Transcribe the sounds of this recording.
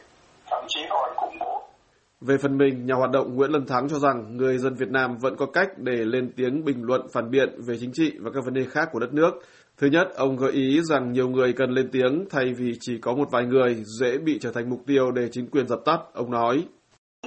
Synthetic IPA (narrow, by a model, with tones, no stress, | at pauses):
t̪ʰa˧˩mt͡ɕi˨˦hɔ˧˩jkʊ̰˧˥ŋ͡mko˨˦ | ve˨˩fə˨˩nmï˨˩ŋ̟ɲaː˨˩haː˨˩t̚ɗə̰˧˨wŋ͡mŋḭ˧˥ənlə˧˩nt̪ʰa˨˦ŋt͡ɕɔ˧za˨˩ŋŋɨ˨˩əjzə˧nvi˨˩ət̚naː˧mvə̰˧˥nkɔ˨˦ka˦˥jk̚ɗe˧˩le˧nt̪i˨˦əŋɓï˨˩ŋ̟lwə̰˧˨nfaː˧˩nɓḭ˧˨ənve˨˩t͡ɕï˨˦ŋ̟t͡ɕḭ˧˨vaː˨˩kaː˦˥k̚və˨˦nɗe˧˩xaː˦˥kːu˧˩əɗə˦˥t̚nɨ˦˥ək̚ | t̪ʰɨ˨˦ɲə˦˥t̚ʔə˧wŋ͡mɣəː˨˦jʔi˨˦za˨˩ŋɲi˨˩əwŋɨ˨˩əjkə˨˩nle˧nt̪i˨˦əŋt̪ʰa˧jvi˨˩t͡ɕi˧˩kɔ˨˦mo˨˩t̚vaː˨˩jŋɨ˨˩əjzɛ̰˧˥ɓḭ˧˨t͡ɕəː˧˩t̪ʰa˨˩ŋ̟mʊ˨˩k͡p̚t̪i˧əwɗe˧˩t͡ɕï˨˦ŋ̟kwi˨˩ənzə˨˩p̚t̪ə˦˥p̚ʔə˧wŋ͡mnɔ˨˦j